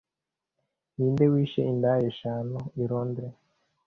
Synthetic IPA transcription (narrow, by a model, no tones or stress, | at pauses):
niːndewiːʃḛindajeʃaːnoiɾoːndɾe